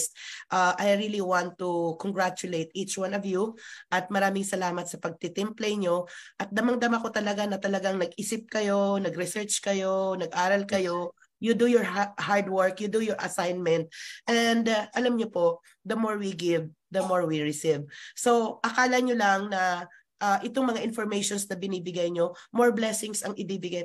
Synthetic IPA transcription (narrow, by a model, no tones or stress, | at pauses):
st̪̚ʔaʔajɹiliwãnt̪ːukɔŋɡɹat͡ʃʊlejt̪̚it͡ʃwãnɔvjuʔɐt̪̚mɐɾaːmɪŋsɐlaːmɐt̪̚sɐpɐɡ̚t̪ɪt̪ɪmplɛjɲoʔɐt̪̚d̪ɐmɐŋd̪ɐmako̞t̪ɐlɐɡanɐt̪ɐlɐɡaŋnɐɡʔɪsɪp̚kɐjo̞nɐɡɾɪsɛɹt͡ʃkɐjo̞nɐɡʔaːɾɐlkɐjo̞ | jʊd̪ujʊɹhaɹd̪wɛɹkjʊd̪ujɔɹʔɐsajnmɛnt̪̚ʔɛnd̪ʔɐlamɲopo̞ʔ | d̪ɐmoɹwiɡɪv | d̪ɐmo̞ɹwiɹɪsivso̞ʔɐkaːlɐɲolɐŋnɐ | ʔaːʔɪt̪oŋmɐŋaʔɪnfoɹmejʃonsnɐbɪnibɪɡajɲo̞moɹblɛsɪŋsɐŋʔɪbiːbɪɡaj